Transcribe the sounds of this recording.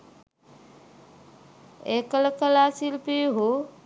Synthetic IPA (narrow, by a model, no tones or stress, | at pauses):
ekələkəlaːsilpiɦu